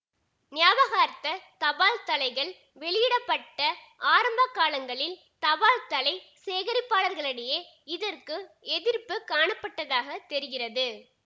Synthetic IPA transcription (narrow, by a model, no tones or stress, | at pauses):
nɪjaːʋɐɣaːɾt̪ːɐt̪ɐʋaːlt̪ɐlɐɪɣɐɭ | ʋɛɭɪjɪɽɐpːɐʈːɐ | ʔaːɾɐmbɐkːaːlɐŋɡɐɭɪl | t̪ɐʋaːlt̪ɐlɐɪseːɣɐɾɪpːaːɭɐɾɣɐɭɐɽɐjɐ | ɪðɐrkɯɛðɪɾpɯkaːɳɐpːɐʈːɐðaːɣɐt̪ːɛɾɪɣɪrɐðɯ